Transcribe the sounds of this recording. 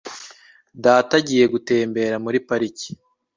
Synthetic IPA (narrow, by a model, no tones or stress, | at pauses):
daːtaɟije̞ɡute̞ːmbe̞ːɾamuɾipaɾici̥